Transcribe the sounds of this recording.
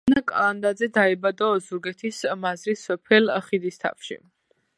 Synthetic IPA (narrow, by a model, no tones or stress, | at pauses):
nakʼand̪ad̪zɛd̪aɛbad̪ɔzuɾɡɛt̪ʰismazɾisːɔpʰɛlχid̪ist̪ʰa̰fʃḭ